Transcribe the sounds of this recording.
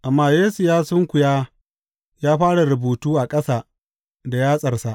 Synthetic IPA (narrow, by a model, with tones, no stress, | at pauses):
ʔa˨mːaː˦jeː˦su˨jaː˦sʊ˦ŋkʷʊ˨jaː˦ | jaː˦ɸaː˦ɽa˨ɾʊ˨buː˨tuː˦ʔa˨kʼɐ˦sa˨ | da˨jaː˦sʼɐ˨rsa˦ʔ